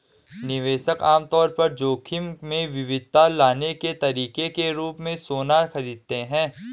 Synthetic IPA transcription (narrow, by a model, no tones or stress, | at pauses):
nɪʋeːʃəkaːmt̪ɔːɾpɐɾd͡ʒoːkʰɪmmẽʋɪʋɪd̪̚t̪alaːneket̪ɐɾiːkekeɾuːpmẽsoːnaxɐɾiːd̪̚t̪eɦɛ̃ː